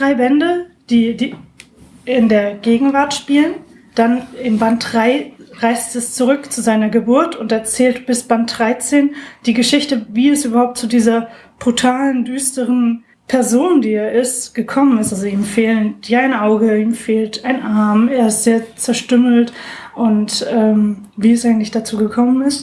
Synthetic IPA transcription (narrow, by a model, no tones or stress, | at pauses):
d̥ʁaɪbɛndəd̥iːdiː | ʔɪndeːɐɡeːɡŋ̩vaɐtʃpiːlən | d̥anɪmbant̚d̥ʁaɪʁaɪstɛst͡suʁʏkt͡suzaɪnɐɡəbʊɐtʊntɛɐt͡sɛːltb̥ɪsb̥ant̚d̥ʁaɪt͡seːnd̥iːɡəʃɪçtəviːɛsʔyːbɐhaʊp̚tt͡sudiːzɐ | b̥ʁutʰaːləndyːstəʁən | pʰɛɐzoːndiːeːɐʔɪstɡ̥əkʰɔmənɪstʔalzoiːmfeːlənjaɪnʔaʊɡəiːmfeːltaɪnʔaɐmeːɐɪstz̥eːɐt͡sɛɐʃtʏml̩tʔʊntʔɛːmviːɛsʔaɪɡŋ̩tlɪçd̥at͡suːɡəkʰɔmənɪst